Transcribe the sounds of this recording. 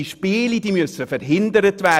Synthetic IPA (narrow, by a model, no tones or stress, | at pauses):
iʃpiːlid̥iːmʉsəfɛɾɦɪndəɾətvæ